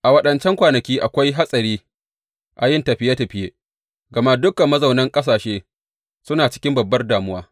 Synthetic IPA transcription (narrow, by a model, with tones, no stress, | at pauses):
ʔa˨wɐ˦ɗɐ˨nt͡ʃɛ˦ŋkʷaː˨nɐ˨kʲiː˦ʔa̰˨kʷa˦jɦa˦sʼɐ˨ɾiː˦ | ʔa˨jɪ˦˨nta˨ɸɪ˦jeː˦ta˨ɸɪ˦jeː˦ | ɡɐ˨ma˦dʊ˦kɐ˨mːɐ˦za˨wnɐ˦ŋkʼɐ˦s̬aː˨ʃeː˦ | sʊ˦naː˨t͡ʃɪ̥˦kʲɪ˦mbɐ˨bːɐ˦rdaː˨mʊ˦waː˦